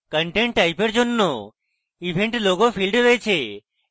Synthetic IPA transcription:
kəɳʈeɳʈːajpeɾd͡ʒonːo | ibʱeɳʈloɡopʰilɖɾəet͡ʃʰe

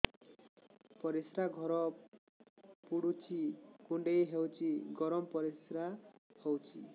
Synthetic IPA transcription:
pɔɾisɾaɡʱɔɾɔ | puɽut͡ʃʰikuɳɖejɦewt͡ʃʰiɡɔɾɔmɔpɔɾisɾahowt͡ʃʰi

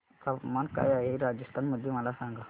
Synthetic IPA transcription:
kamanka̰jaɦeɾad͡ʒəst̪ʰanməd̪ʱːjeməlasãŋɡa

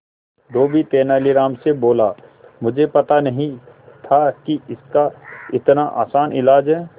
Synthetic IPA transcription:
d̪oːbʱit̪eːnaːliɾaːmseboːla | mʊd͡ʒʱepɐt̪anɐɦĩ | t̪ʰakiɪskaɪt̪naʔa̰ːsaːnɪlaːd͡ʒɦɛː

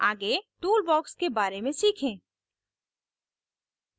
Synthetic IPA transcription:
aːɡet̪uːlbɔːkskebaːɾemẽsiːkʰẽː

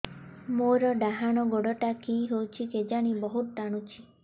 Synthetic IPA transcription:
moɾɔɖaɦaɽ̃ɔɡoɽɔʈakiɦowt͡ʃʰiked͡ʒaɽ̃ibɔɦut̪̚ʈ̪aɽ̃ut͡ʃʰi

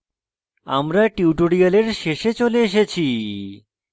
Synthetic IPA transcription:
a̰mɾaʈiwʈoɽialeɾʃeʃet͡ɕoleeʃ̬et͡ɕʰi

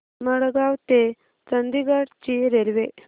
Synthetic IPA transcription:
məɽɡawt̪e | t͡sənd̪iɡaɽt͡ɕiɾelʋe

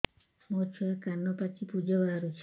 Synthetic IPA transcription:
mot͡ʃʰɔekanːɔpat͡ʃipud͡ʒɔbaɾaɾut͡ʃʰ

